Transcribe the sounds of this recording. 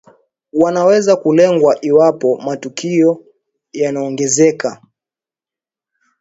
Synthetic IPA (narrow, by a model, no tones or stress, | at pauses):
wanawɛzakulɛŋɡwaʔiwapɔmatukʰiɔ | janaɔŋɡɛzɛka